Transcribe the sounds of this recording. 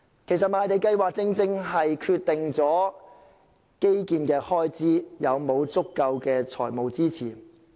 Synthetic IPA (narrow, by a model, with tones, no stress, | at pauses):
kʰe˨˩jsɐ˨t̚maː˨˧jt̪e˨˧jkɐ˧jwaː˨k̚t͡sɪ˥ŋt͡sɪ˥ŋɦɐ˨jkʰyː˧t̪ːɪ˨ŋt͡sɔː˨˥ | ke˥jkiː˨˧nkɛː˧hɔː˥jt͡siː˥jɐ˨˧wmo˨˧wt͡sʊ˥kːɐ˧wkɛː˧t͡ʃʰɔ̰ː˨˩jmo˨wt͡siː˥t͡sʰḭː˨˩